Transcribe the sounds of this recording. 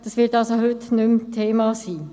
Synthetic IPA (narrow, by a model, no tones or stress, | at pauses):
d̥̪ɑsʋɪltɑlsohʏtnʏmtʰeːmɑsiː